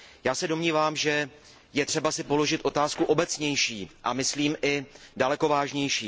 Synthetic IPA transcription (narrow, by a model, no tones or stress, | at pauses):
jaːsɛdo̞mɲiːvaːmʒɛ | jɛt̪r̥ɛbasɪpo̞lo̞ʒɪt̪ʔo̞t̪aːskuʔo̞bɛt͡sɲɛjʃiːʔa̰mɪsliːmʔɪdalɛko̞vaːʒɲɛjʃiː